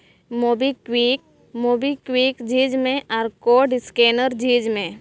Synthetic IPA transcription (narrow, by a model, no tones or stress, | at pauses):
moːbikwiːk̚ | moːbikwiːkd͡ʒiːd͡ʒmẽʔɔːɾkoːɖɪskeːnəɾd͡ʒiːd͡ʒmẽː